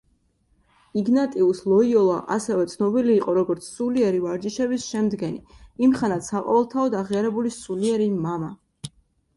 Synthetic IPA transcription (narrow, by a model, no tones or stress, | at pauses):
iɡnat̪ʼiuslˠɔiɔlˠa̰ʔasɛvɛt̪sʰnɔbiliːqʼɔɾɔɡɔɾt̪sʰsuliɛɾivaɾd͡ʒiʃɛbisʃɛmd̪ɡɛniimχanat̪saqʼɔ̰vɛlˠt̪ʰaɔd̪aʁiaɾɛbulisuliɛɾimama